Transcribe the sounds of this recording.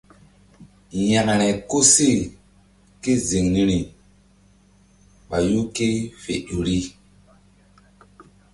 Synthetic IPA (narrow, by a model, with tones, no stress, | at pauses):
ja˨ŋ˨ɾɛ˨ko˦si˦˨ | ke˦zi˨ŋni˦ɾi˨ | ɓa˨ju˦ke˦fḛ˨ɗu˨ɾi˦